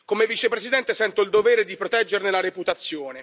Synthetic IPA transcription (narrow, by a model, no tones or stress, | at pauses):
komevit͡ʃepɾesid̪ɛnt̪esɛnt̪oild̪oveːɾed̪ipɾot̪ɛd͡ʒːernelaɾeput̪at̪sːjoːne